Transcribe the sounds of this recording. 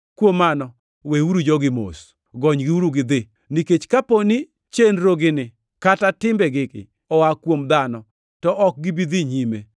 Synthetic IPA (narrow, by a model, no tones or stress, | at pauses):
kwomːanɔ | weuɾud͡ʒɔɡɪmo̰s | ɡɔɲɡɪuɾuɡɪd̪ɪ | niket͡ʃkaponi | t͡ʃenɾoɡɪnɪ | katatɪmbɛɡɪkɪ̰ | ɔwakwomd̪anɔ | tɔʔɔk̚ɡɪbid̪iɲime